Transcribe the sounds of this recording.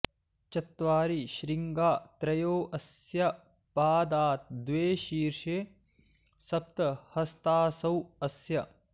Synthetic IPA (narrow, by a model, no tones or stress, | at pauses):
t͡ʃɐt̪ʋaːɾiʃɾiŋɡaːt̪ɾɐjoːʔɐsjɐ | paːd̪aːt̪̚d̪ʋeːʃiːɾʃeː | sɐp̚t̪ɐhɐst̪aːsɐwɐsjɐ